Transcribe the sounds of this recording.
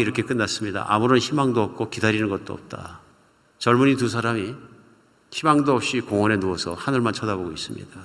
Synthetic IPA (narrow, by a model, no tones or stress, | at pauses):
iɾʌkʰe̞k͈ɯnːas͈ɯmɲida̰ʔa̰muɾonçimaŋdoʌp̚k͈okidaɾinɯnɡʌt̚t͈oʌ̰p̚t͈a̰ | t͡ɕʌɭmuɲit̬us̬ʰaɾami | çimaŋdoʌp̚ɕ͈ikoŋʌne̞nuʌsʰʌhanɯɭmant͡ɕʰʌdaboɡois͈ɯmɲḭda